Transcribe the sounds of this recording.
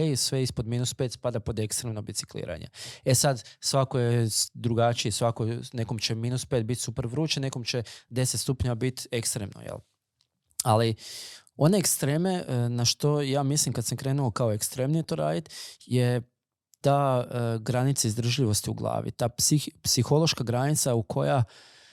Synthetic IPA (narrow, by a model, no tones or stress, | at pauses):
isʋe̞ispod̪miːnuspet̪spad̪apo̞d̪ekst̪ɾemnobitsi̥klḭːɾa̰ɲḛe̞sad̪sʋakojed̪ɾuɡat͡ʃijesʋakone̞komt͡ɕe̞miːnuspeːt̪̚bit̪supeɾʋɾuːt͡ʃene̞ko̞mt͡ɕe̞d̪e̞set̪st̪upɲabit̪ekst̪ɾemno̰jḛl | ali | o̞ne̞ːkst̪ɾe̞ːme̞naʃt̪o̞jaːmislimkad̪samkɾe̞ːnuokaoekst̪ɾe̞ːmnijet̪oɾa̰ːjit̪je̞ | t̪aɡɾanit̪saizd̪ɾ̩ʒʎiʋo̞st̪iṵɡlˠa̰ːʋḭt̪aːpipsixo̞lˠoʃkaɡɾanit̪saukʰo̞ja